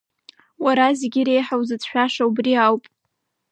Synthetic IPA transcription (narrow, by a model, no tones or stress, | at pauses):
waɾazeɡʲiɾe̞jħawzɨt͡sʰʃʷᶣaʂaubriawpʼ